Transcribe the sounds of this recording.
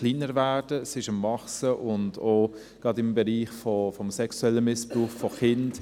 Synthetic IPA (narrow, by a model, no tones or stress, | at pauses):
χliːnəɾvæːd̥əsɪʃəmːɑχsəʔʊndoː | ɡ̥ɾɑdɪmbɛɾiːχfɔfɔmsɛksuɛlːəmɪspɾuːχfɔχɪnd